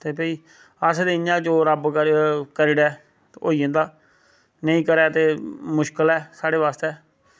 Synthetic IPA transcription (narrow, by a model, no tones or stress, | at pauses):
t̪eːpəiː | əsd̪eɪɲãːd͡ʒoːɾəbkəɾkəɾɪɽɛː | o̰ːiːə̃nd̪aː | nəĩːkəɾɛːt̪eːmʊʃkəlɛːsaːɽeːʋaːst̪ɛː